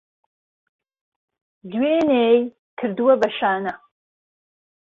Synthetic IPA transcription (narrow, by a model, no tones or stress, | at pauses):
d̪weːneːj | kʰɨɾd̪uwɐbɐʃaːnɐ